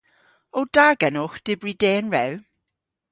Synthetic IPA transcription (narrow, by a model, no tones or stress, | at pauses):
od̥aːɡənʊxd̥ɪbɹideːənɹɛw